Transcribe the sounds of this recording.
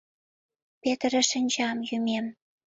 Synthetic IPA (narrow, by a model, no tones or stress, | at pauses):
pʲet̪ɾɘ̆ʃə̆nʲd͡ʑɑmjymʲem